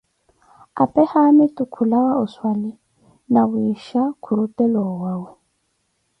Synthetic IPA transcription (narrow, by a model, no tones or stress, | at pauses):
a̰pʼɛhamɪtʼʊkʰulawaʊswalɪ | nabʊiʃakʰuɾutʼɛlɔwawʊ